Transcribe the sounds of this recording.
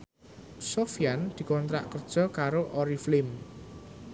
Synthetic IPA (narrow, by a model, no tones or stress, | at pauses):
sofijand̪̥i̤kɔnt̪ɾa̰ʔkərd̥ʒ̥ɔ̤kaɾoʔɔɾiflɪm